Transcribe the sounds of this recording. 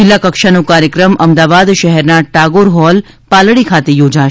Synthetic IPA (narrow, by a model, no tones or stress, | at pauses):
ɪlːakəkʃanũkaɾjəkɾəmʔəmd̪aʋad̪ʃɛɦɛɾnaʈaɡoɾɦɔl | palɽikʰat̪ejoːd͡ʒaʃ